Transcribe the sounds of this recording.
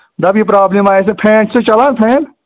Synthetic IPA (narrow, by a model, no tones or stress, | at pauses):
d̪ɐbipɾaːblemaːes̬epʰẽːʈʰset͡ʃɐlaːnpʰẽːʈ